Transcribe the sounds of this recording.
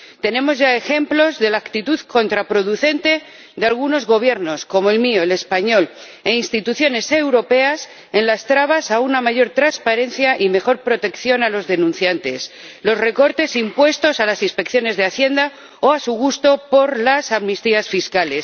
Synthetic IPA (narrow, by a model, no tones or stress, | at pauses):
t̪e̞nẽ̞mo̞zʝae̞xe̞mplo̞zðe̞lakt̪it̪uðko̞nt̪ɾapɾo̞ðuθe̞nt̪e̞ | d̪ealɣuno̞zɣo̞β̞je̞ɾno̞sko̞mo̞elmio̞ele̞spaɲo̞l | einst̪it̪uθjo̞ne̞se̞wɾo̞pe̞as | e̞nlast̪ɾaβasaunamaʝo̞ɾt̪ɾanspaɾe̞n̟θjaʔime̞xo̞ɾpɾo̞t̪e̞kθjo̞nalo̞zðe̞nũn̟θjant̪e̞s | lo̞sre̞ko̞ɾt̪e̞simpwe̞st̪o̞salasinspe̞kθjo̞ne̞zðeaθje̞nd̪a | oasuɣ̞ust̪o̞po̞ɾlasamnist̪iasfiskale̞s